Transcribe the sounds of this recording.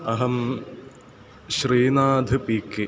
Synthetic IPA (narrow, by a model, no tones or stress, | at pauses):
ɐɦɐm | ɕriːnaːd̪ʱɨpiːkːi